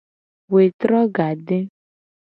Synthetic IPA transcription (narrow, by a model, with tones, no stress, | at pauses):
we˨t̪ɾɔ˦ɡa˨ɖe˦